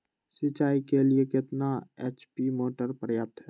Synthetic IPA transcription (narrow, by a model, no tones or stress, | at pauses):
sɪt͡ʃaːikeliekɪt̪naeːt͡ʃpimoːʈəɾpɾəjaːp̚t̪ɦɛː